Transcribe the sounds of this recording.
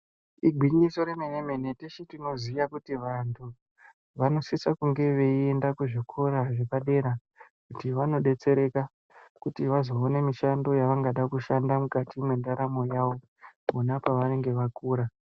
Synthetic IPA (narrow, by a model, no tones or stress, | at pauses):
iɡʱiɲiso̞ɾemeneme̞neteʃitino̞zijakutiʋantʰu | ʋano̞sisakuŋɡe̞ʋe̞ie̞ndakuʐikʰo̞ɾaʐepaɗe̞ɾa | kutiʋano̞ɗe̞t͡se̞ɾe̞ka | kutiʋazo̞ːne̞miʃando̞jaʋaŋɡaɗakuʃandamukatimwe̞ndaɾamo̞jaʋo̞ | munapaʋane̞ŋɡe̞ʋakuːɾa